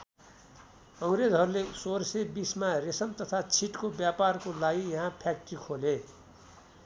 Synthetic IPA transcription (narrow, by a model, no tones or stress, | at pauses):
ʌŋɾed͡zɦʌɾulesoɾsebismaresʌnt̪ʌt̪ʰat͡sʰiʈkobjaparkolaɡijʌɦãpʰjak̚ʈrikʰole